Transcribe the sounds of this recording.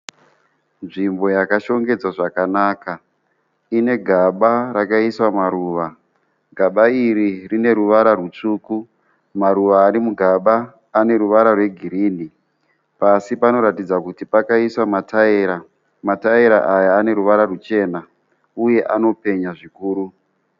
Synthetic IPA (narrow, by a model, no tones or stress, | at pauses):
nʐimbo̞jakaʃo̞ŋɡe̞d͡zwaʐakanaːka | ine̞ɡʱaɓaɾakaiswamaɾuːʋa | ɡʱaɓaiɾirine̞ɾuʋaɾarut͡ʂuːku | maɾuʋaːɾimuɡʱaɓaː | ne̞ɾuʋaɾarwe̞ɡʱiɾiːni | pasipano̞ɾatid͡zakutipakaiswamatʰaeɾa | mataeɾa̰ʔajaːne̞ɾuʋaɾarut͡ʃe̞na | uje̞ʔano̞pe̞ɲaʐikuːɾu